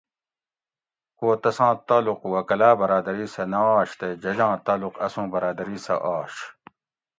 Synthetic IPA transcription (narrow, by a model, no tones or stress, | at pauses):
koːt̪ɐsãːt̪aːluqwɐkɐlaːbɐɾaːd̪ɐɾiːsɐnɐaːɕt̪ed͡ʑɐd͡ʑãːt̪aːluqɐsũːbɐɾaːd̪ɐɾiːsɐ̰ʔaːɕ